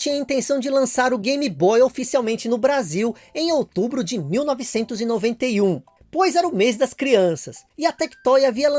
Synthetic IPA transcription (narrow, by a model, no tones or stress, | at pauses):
t͡ʃĩɲɐĩnt̪ẽsɐ̃w̃d͡ʒɪlɐ̃saɾʊɡẽjmibɔjofisiawmẽnt͡ʃɪnʊbɾaziw | ẽj̃owt̪ubɾʊd͡ʒɪmiwnɔvɪsẽnt̪ʊzɪnovẽnt̪ejũ | pojzɛɾɐʊmezd̪ɐskɾiɐ̃sɐsɪɐt̪ɛkt̪ɔjɐviɐlɐ̃